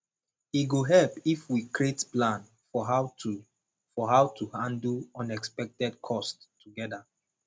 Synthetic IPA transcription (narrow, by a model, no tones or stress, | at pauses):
iɡoɦɛlpifwikɹietplãn | fɔɦa | fɔɦawtʰuhãndlɔ̃nɛkspɛk̚tɛd̚kʰɔstʰː | uɡɛda